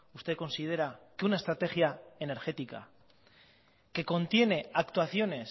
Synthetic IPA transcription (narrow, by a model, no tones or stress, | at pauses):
ust̪eko̞nsið̞e̞ɾakeunae̞st̪ɾat̪e̞xjae̞ne̞ɾxe̞t̪ika̰ | ke̞ko̞nt̪je̞ne̞akt̪waθjo̞ne̞s